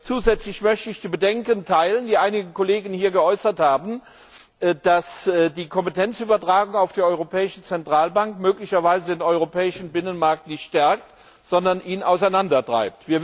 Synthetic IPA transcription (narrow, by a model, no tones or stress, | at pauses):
t͡suːzɛt͡slɪçmœçtəɪçd̥iːbədɛŋkəntʰaɪləndiːʔaɪnɪɡəkʰoleːɡən̩hiːɐɡəɔʏsɐthaːbn̩ | d̥asdiːkʰɔmpəetʰɛnt͡sʔyːbɐtʁ̥aːɡʊŋaʊfd̥eːɐʔɔʏʁopʰɛːɪʃn̩t͡sɛntʁ̥aːlbaŋkmøːklɪçɐvaɪzədeːnɔʏʁopʰɛːɪʃn̩bɪnənmaɐk̚tnɪçtʃtɛɐk̚t | z̥ɔndɐnʔiːnaʊsaɪnandɐtʁ̥a̰ɪp̚tv̥iːɐ